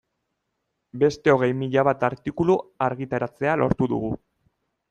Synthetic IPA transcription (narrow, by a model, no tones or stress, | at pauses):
be̞st̪e̞o̞ɣ̞e̞jmiʎaβat̪aɾt̪ikuluaɾɣit̪aɾat͡se̞alo̞ɾt̪uðṵɣ̞u